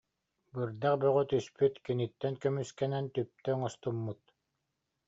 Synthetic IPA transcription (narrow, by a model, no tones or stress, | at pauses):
bɯɾd̪aqbœʁœt̪yspyt̪kinit̪ːɛnkœmyskɛnɛnt̪yp̚t̪ɛŋɔst̪umːut̪